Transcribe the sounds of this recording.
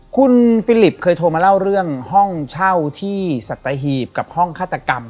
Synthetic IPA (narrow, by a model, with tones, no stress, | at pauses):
kʰu˧nfiː˧˥li˨˩p̚kʰɤː˧jt̪ʰoː˧maː˧la˥˩wɾɯ˥˩əŋhɔ˥˩ŋt͡ɕʰa˥˩wt̪ʰiː˥˩sa˨˩t̪ːa˧ɦiː˨˩p̚ka˨˩p̚hɔ˥˩ŋkʰaː˥˩t̪ːa˧ka˧m